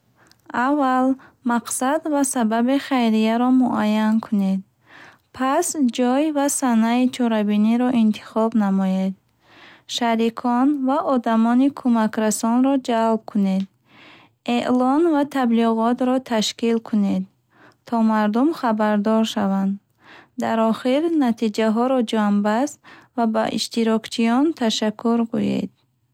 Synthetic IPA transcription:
avːalmaqsad̪vasababiχajɾijaɾɔmuʔajankʰuned̪̚ | pʰasd͡ʒɔjvasanait͡ʃʰɔɾabiniɾɔʔint̪ʰi̥χɔbnamɔjed̪̚ | ʃaɾikʰɔnvaʔɔd̪amɔnikʰumakɾasɔnɾɔd͡ʒalb̚kʰune̞d̪̚ | eʔlɔnvat̪ʰabliʁɔt̪ɾɔt̪ʰaʃkilkʰune̞d̪ | t̪ːʰɔmaɾd̪umχabaɾd̪ɔɾʃavand̪ː | aɾɔχiɾnat̪ʰid͡ʒaɦɔɾɔd͡ʒambast̪vaba̰ʔḭʃt̪iɾɔkt͡ʃʰijɔnt̪ʰaʃakʰːuɾɡujḛd̪̥̚

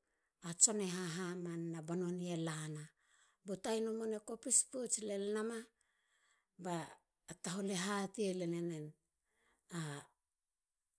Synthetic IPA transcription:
at͡ʃo̞ne̞ɦaɦamanːabono̞nielana | botajnomonekopisput͡ʃle̞lenama | baː | taɦole̞ɦatiele̞nene̞n | a

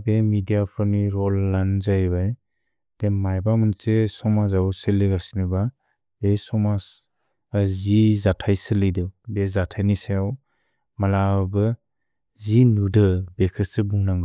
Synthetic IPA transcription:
bemidijapʰɯmiɾɔlːanzajbaj | d̥emajbamɯnt͡ʃesɔmazawseleɡasiniba | besɔmas | azizatʰajsɯlɯjdɯwbezatʰajnisajaw | malabɯ | zinudɯbekʰɯsɯbuŋnaŋɡɯ

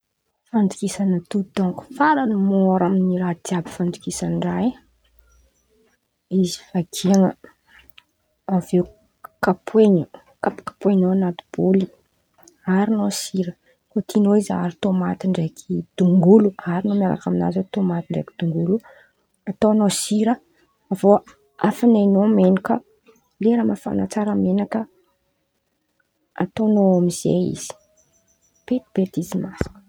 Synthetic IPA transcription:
fand͡z̪i̥kisanət̪ud̪ɔ̃ŋku̥faɾanimɔɾaminiɾat̪iabi̥fand̪i̥kisanɖ͡ʐaj | izi̥fakʰiaŋə | aveu | kapʰweɲə | kapu̥kḁpweɲoanat̪u̥b̥oli | aɾinosiɾə | kot̪ʰinoizaɾit̪omat̪iɳɖ͡ʐekʰid̪̥uŋɡuluaɾinomʲiala̰kamina̰zot̪omat̪iɳɖ͡ʐekid̪̥uŋɡulu | at̪onosiɾə | avo | afanajnomenikə | leɾamafa̰nat͡saɾamenakə | a̰t̪onoamiz̥ḛḭz̥i̥ | b̥et̪ib̥et̪izimas

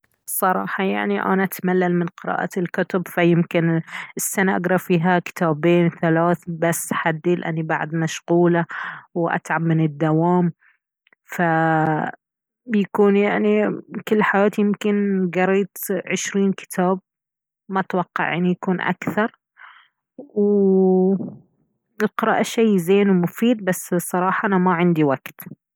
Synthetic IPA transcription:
sˤɑɾˤɑ̰ːħɑja̰ʕniʔa̰naʔat̪malːalmɪnqɨɾɑ̰ːʔa̰lkʊt̪ʊbfajɪmkɪnɪsːanaʔaɡɾˤɑfiːɦakɪ̥t̪ʰaːbeːnθalaːθbasːħad̪ːiːlʔa̰nːiba̰ʕd̪maʃɣuːlawʔa̰t̪ʕabmɪnɪd̪ːawaːm | fa | bjakuːnjaʕnikɪlːħajaːt̪jɪmkɪnɡɑɾiːt̪ʕɪʃɾiːnkɪ̥t̪ʰaːb̚ | maʔt̪wɑqːɑ̰ʕʔʔanijakuːnʔa̰kθɑɾˤ | w | ɪlqɨɾɑ̰ːʔaʃejzeːnwmʊfiːd̪̚basːsˤɑɾˤɑːħɑʔanamaʕɪnd̪iwaɡt̪

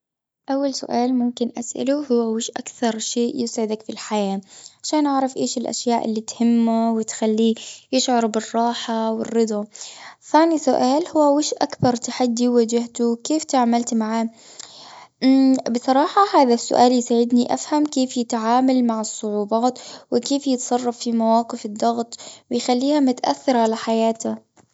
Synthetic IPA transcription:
ʔawːalsʊ̰ʔaːlmʊmkɪnʔasʔa̰luhʊwːawɪʃʔa̰kθɑɾˤʃeːʔjɪsʕɪd̪akfilħajaːʕaʃaːnʔaʕɾˤɑfʔeːʃɪlʔa̰ʃjaːʔɪ̰lːit̪hɪmːawɪt̪xalːijɪʃʕɑɾˤbɪrˤːɑːħawɪ̰rːɨd̪ˤɑθaːnisʊʔaːlhʊwːawɪʃʔakbɑɾˤt̪aħad̪ːiwad͡ʒɪht̪ukeːft̪aʕamalt̪maʕaː | bɨsˤɑɾˤɑːħɑhaːðasːʊ̰ʔaːljsaːʕɪd̪niʔafhamkeːfjɪt̪ʕaːmalmaʕɪsˤːʊʕuːbaːt̪wɪkeːfjɪt̪sˤɑrˤːɑfːimawaːqɪfɪd̪ˤːɑɣt̪ˤwɪjxalːiːhamʊt̪ʔa̰θːɪɾˤʕalaħajaːt̪a

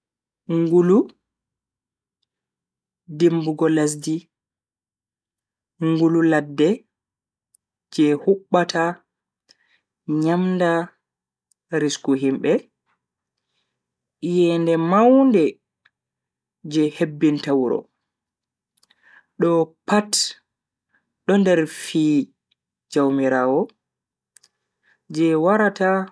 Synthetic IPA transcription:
ŋɡulu | dembuɡɔlas̬di | ŋɡululadːɛ | d͡ʒɛhuɓːata | ɲamnda | ɾiskuɦimbɛ | jɛndɛmawndɛ | d͡ʒɛhebːintawɾɔ̰ | ɗɔpat | ɗɔndɛɾfiː | d͡ʒawmiɾaːwɔ | d͡ʒɛwaɾata

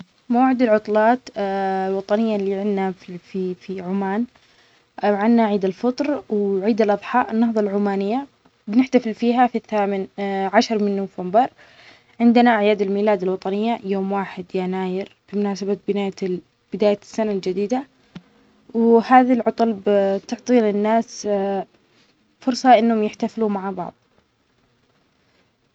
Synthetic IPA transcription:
mawʕɪd̪alʕʊt̪ˤlɑːt̪lwɑt̪ˤɑnɪjːalːiʕɪnːafifiʕʊmaːn | ʕɪnːaʕiːd̪alfɨt̪ˤɾwʕiːd̪alʔɑðˤħɑːʔɪnːɑɦðˤɑlʕʊmaːnɪjːa | bɪnɪħt̪afɪlfiːɦafiθːaːmɪnʕaʃɑɾˤmɪnːʊfambɑɾˤ | ʕɪnd̪ɪnaʔaʕjaːd̪ɪlmiːlaːd̪ɪlwɑt̪ˤɑnɪjːajoːmwaːħɪd̪janaːjɪɾb̥imʊnaːsababɪnaːja | b̥ɪd̪aːjasːanald͡ʒad̪iːd̪a | whaːðalʕʊt̪ˤʊlbt̪ʊʕt̪ˤiːlɪnːaːs | fʊɾsˤɑʔɪnːhʊmjɪħt̪afluːmaʕabɑ̰ʕðˤ

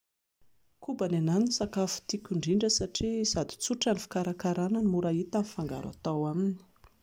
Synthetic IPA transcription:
kubanananisakafu̥t̪ikʲuɳɖ͡ʐiɳɖ͡ʐəsaʈ͡ʂizad̪u̥t͡suʈ͡ʂanifi̥kaɾakaɾananimuɾait̪afaŋɡa̰ɾa̰t̪awamini̥

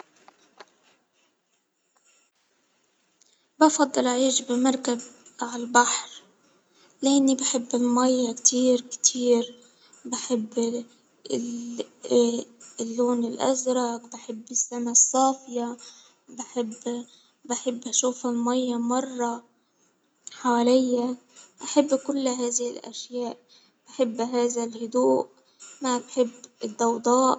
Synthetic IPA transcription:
bɑfɑd̪ˤːɨlaʕiːʃbɪmɑɾˤkabʕalbaħɾ | laːnːibaħɪbːɪlmajːakt̪ʰiːɾkt̪ʰiːɾ | baħɪbː | lːoːnɪlʔa̰zɾˤɑkbaħɪbːɪsːamasˤːɑːfja | baħɪbː | baħɪbːʔaʃuːfalmajːamɑrˤːɑ | ħawalɪjːaʔaħɪbːkʊlːɦaːðɪhɪlʔa̰ʃjaːʔ | b̥aħɪbːɦaːðalhʊd̪uːʔ | mabħɪbːɪd̪ːɑwd̪ˤɑːʔ

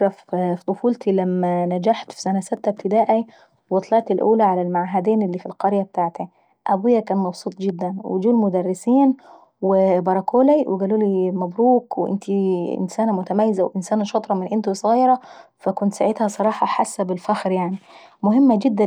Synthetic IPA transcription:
ɾˤɑffit̪ˤofuːlt̪ilæmːænæd͡ʒaħt̪fi̥sænæsæt̪ːæb̚t̪ɪd̪æːʔæ | wɑt̪ˤlɑʕt̪elʔuːlæʕalælmaʕaɦæd̪eːnɪlːiːfilqɑɾjæb̚t̪aːʕt̪æ | ʔæbujːækæːnmɑbsˤuːt̪ˤɡed̪ːænwḛd͡ʒuːlmʊd̪ærːɪsiːn | webɑɾˤɑkoːlæweɡæːluːlimæbɾuːkweʔɪ̰nt̪ʰiɪ̰nsæːnæmʊt̪æmæjːɪzæwʔɪnsæːnæʃɑt̪ˤɾˤɑmɪnʔɪnt̪usˤɣɑjɾˤɑfækʊnt̪saʕed̪hæsˤɑɾˤɑːħɑħasːæbɪlfæxɾjaʕni | mʊhɪmːæɡɪd̪ːæ

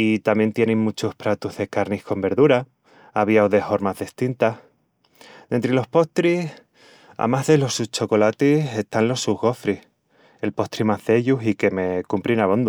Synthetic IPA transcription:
it̪amje̞nt̪je̞niŋmut͡ʃuhpɾat̪uzðe̞kaɾnihko̞mbe̞ɾðuɾa | aβ̞iawðe̞ho̞ɾmazðist̪int̪ah | d̪e̞nt̪ɾelo̞hpo̞ht̪ɾis | a̰maɦðe̞lo̞sut͡ʃo̞ko̞lat̪ise̞st̪anlo̞suɣo̞fɾih | e̞lpo̞ht̪ɾimazðe̞ʎusike̞me̞kumpɾinaβ̞o̞nd̪u

